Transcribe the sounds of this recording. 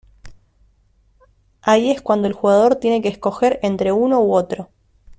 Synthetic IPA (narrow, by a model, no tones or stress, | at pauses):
aie̞skwand̪oe̞lxuɣað̞o̞ɾt̪je̞ne̞keːsko̞xe̞ɾe̞nt̪ɾe̞uno̞uo̞t̪ɾo